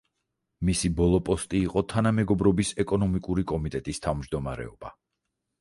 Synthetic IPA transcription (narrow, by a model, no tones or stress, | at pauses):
misibɔlˠɔpʼɔst̪ʼiːqʼɔt̪ʰanamɛɡɔbɾɔbisɛkʼɔnɔmikʼuɾikʼɔmit̪ʼɛt̪ʼist̪ʰavmd͡ʒd̪ɔma̰ɾɛ̰ɔb̥a